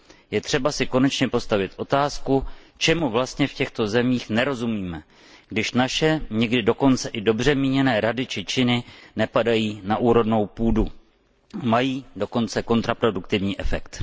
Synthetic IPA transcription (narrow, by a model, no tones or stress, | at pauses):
jɛt̪r̥ɛbasɪko̞nɛt͡ʃɲɛpo̞st̪avɪt̪ʔo̞t̪aːsku | t͡ʃɛmuvlast̪ɲɛfcɛxt̪o̞zɛmiːxnɛɾo̞zumiːmɛ | ɡ̥dɪʃnaʃɛɲɛɡdɪdo̞ko̞nt͡sɛʔɪdo̞br̝ɛmiːɲɛnɛːɾadɪt͡ʃɪt͡ʃɪnɪnɛpadajiːnaʔuːɾo̞vno̞wpuːdu | majiːdo̞ko̞nt͡sɛko̞nt̪ɾapɾo̞dukt̪ɪvɲiːʔɛfɛ̰kt̪